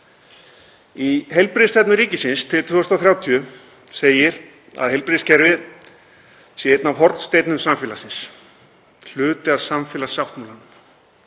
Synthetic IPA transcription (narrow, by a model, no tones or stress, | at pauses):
iɦɛjlpɾɪst̪ɛt̪nʏɾiːcɪsɪnst̪ʰɪlt̪ʰʏːɔsnawθɾjawt̪ʰyʏ | seːjɪɾ | a̰ðhɦejlpɾɪscɛɾvɪð | sjɛt̪navɦɔɾ̥t̪st̪ejt̪nʏmsamfɪːlasɪns | l̥ʏːt̪ɪaðsamfɪːlasawht̪mulanʏm